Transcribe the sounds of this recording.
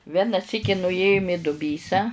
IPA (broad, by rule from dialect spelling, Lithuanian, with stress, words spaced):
ˈʋʲæːnɐ ˈsʲiːkʲɪ nʊˈeːjʊm ɪ dʊˈbʲiːsɑː